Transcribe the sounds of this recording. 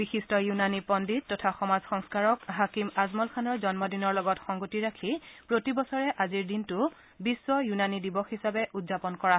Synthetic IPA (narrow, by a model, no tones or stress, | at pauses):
bixistɔjunanipɔndit̚tːɔtʰaxɔmazxɔŋskaɹɔkɦakimazmɔlkʰanɔɹzɔnmɔdinɔɹlɔɡɔtxɔŋɡotiɹakʰipɹotibɔsɔɹɛʔaziɹdintʊ | biswɔjunanidibɔxɦisabɛʔudzapɔnkɔɹa